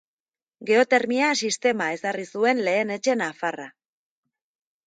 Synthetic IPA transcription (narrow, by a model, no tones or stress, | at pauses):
ɡe̞o̞t̪e̞ɾmiasist̪e̞mae̞sarisue̞nle̞ːne̞t͡ʃe̞nafara̰